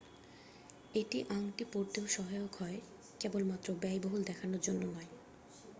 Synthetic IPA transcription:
eʈiʔaŋʈipoɾt̪eoʃɔɦajokʰɔe | kebolmat̪ːɾobɛjboɦuld̪ɛkʰanoɾd͡ʑonːonɔe

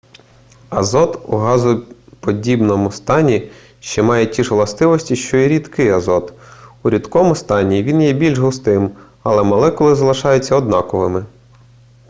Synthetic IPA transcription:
ɐzɔt̪ṵɦɑzʊpɔdʲibnɔmʊst̪ɑnʲi | ʃt͡ʃɛmɑjetʲiʒʋlˠɐst̪ɪʋɔsʲtʲiʃt͡ʃɔiɾʲid̪kɪjɐzɔt̪uɾʲid̪kɔmʊst̪ɑnʲiʋʲinjɛbʲilʲʒɦʊst̪ɪm | ɐlˠɛmɐlˠɛkɔlˠɪzɐlˠɪʃɑjʊt͡sʲːɐɔd̪nɑkɔʋɪmɪ

